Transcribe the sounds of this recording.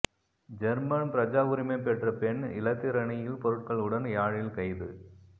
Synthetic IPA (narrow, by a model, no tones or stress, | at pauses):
d͡ʒɐɾmɐnpɪɾɐd͡ʒaːʋʊɾɪmɐpːɛʈrɐpɛnɪ̰lɐt̪ːɪɾɐɳɪjɪlpɔɾɯʈ̚kɐɭɯɽɐnjaːɻɪlkɐɪðɯ